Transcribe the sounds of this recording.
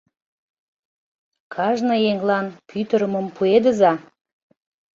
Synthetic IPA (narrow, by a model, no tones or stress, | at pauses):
kʰɑʒnəjeŋlɑnpʰyt̪əɾəmə̆mpʰued̪ə̆zɑ